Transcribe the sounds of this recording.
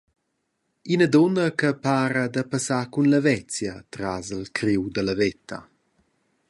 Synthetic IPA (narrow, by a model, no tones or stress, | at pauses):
inəd̪ɔnəkəpaːɾəd̪əpasakunləvɛt͡sjət̪ɾazəlkɾiwd̪ələvɛt̪ːa